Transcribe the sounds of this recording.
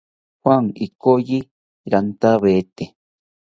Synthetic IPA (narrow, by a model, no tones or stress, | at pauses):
hwaŋikoji | ɾant̪aβet̪e